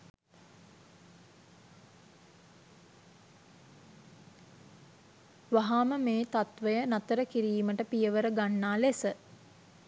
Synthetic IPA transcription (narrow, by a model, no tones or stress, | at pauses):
ʋaɦaːməmeːt̪at̪ʋəjənat̪əɾəkiɾiːməʈəpijəʋəɾəɡanːaːlesə